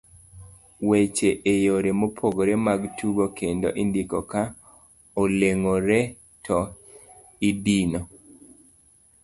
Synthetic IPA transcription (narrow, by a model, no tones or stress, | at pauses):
wet͡ʃeʔejoɾemopʰoɡoɾemaɡtuɡokʰendo̰ʔindikɔka | oleŋoɾɛ | tʰɔ | ibino